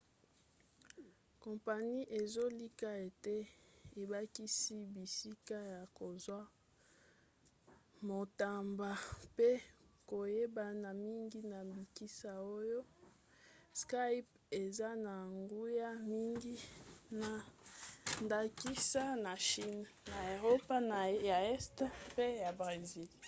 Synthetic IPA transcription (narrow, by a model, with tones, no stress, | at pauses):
ko˨mpa˨ni˦ʔe˨zo˦li˦ka˦e˨te˦e˨ba˦ki˦si˦bi˨si˦ka˦ja˨ko˨zwa˦ | mo˨ta˨mba˨pe˦ko˨je˦ba˨na˨mi˦ŋɡi˦na˨bi˨ki˦sa˨o˦jo˦ | ska˦i˦p | e˨za˦na˨ŋɡu˦ja˦mi˦ŋɡi˦na˨ | nda˨ki˦sa˦na˨ʃi˦n | na˨e˨ʁo˦pa˦na˨ja˨ɛ˦stpe˦ja˨bʁe˨zi˦l